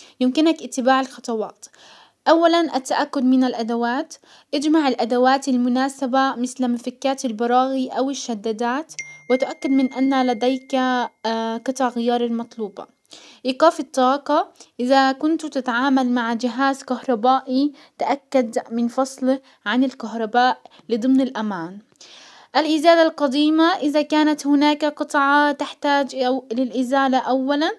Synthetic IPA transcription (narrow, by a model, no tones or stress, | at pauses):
jɪmkɪnakʔɪt̪ːɪbaːʕɪlxɑt̪ˤɑwɑːt̪ | ʔawːalanʔat̪ːaʔakːʊd̪mɪnalʔad̪awaːt̪ | ʔad͡ʒmaʕɪlʔad̪awaːt̪almʊnaːsabamɪθlmafɪkːaːt̪ɪlbɑɾˤɑːɣiʔawɪʃːad̪ːad̪aːt̪wɪt̪ʊʔakːɪd̪mɪnʔanːalad̪ajk | qɨt̪ˤɑʕɣɪjɑːɾˤɑlmɑt̪ˤluːbɑ̰ | ʔiːqaːfɪt̪ˤːɑːqɑʔɪðakʊnt̪t̪ɪt̪ʕaːmalmaʕd͡ʒɪɦaːzkahɾˤɑbaːʔi | t̪aʔakːad̪mɪnfɑsˤlɪ | ʕanɪlkaɦɾˤɑbaːʔ | lɨd̪ˤɨmnɪlʔamaːn | ʔalʔɪzaːlalqɑd̪iːmaʔɪðakaːnat̪hɪnaːkqɨt̪ˤʕɑt̪ɪħt̪aːd͡ʒlɪlʔɪzaːlaʔawːalan